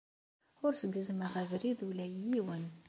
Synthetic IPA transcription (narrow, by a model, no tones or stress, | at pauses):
ʊɾsəɡːəzməʁævɾiðulæjjiwən